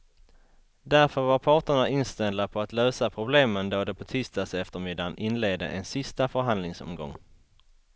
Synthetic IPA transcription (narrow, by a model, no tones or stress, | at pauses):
d̪æɾfœɾvaɾpʰɑːʈəɳaɪnst̪ɛld̪apʰɔat̪løːsapʰɾʊbleːmənd̪oːd̪ɛpʰɔt̪ʰyːst̪asɛft̪əɾmɪd̪anʔɪnleːd̪ə̰ʔɛnsɪst̪afœɾɦand̪lɪŋsɔ̰mɡɔ̰ŋː